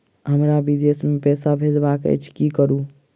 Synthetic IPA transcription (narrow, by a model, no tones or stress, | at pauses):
ɦəmɾabid̪esmepɛːsabʱed͡ʒbakə̰t͡ʃʰkikəɾu